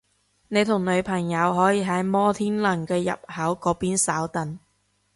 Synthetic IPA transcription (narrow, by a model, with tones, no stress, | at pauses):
ne˨˧jt̪ʰʊ˨˩ŋlɵ˨˧ɥpʰɐ˨˩ŋjɐ˨˧wɦɔː˨˥jiː˨˧ɦɐ˨˥jmɔː˥t̪ʰiː˥nlɐ˨˩ŋkɛː˧jɐ̰˨p̚hɐ˨˥wkɔː˨˥piː˥nsaː˨˥wt̪ɐ˨n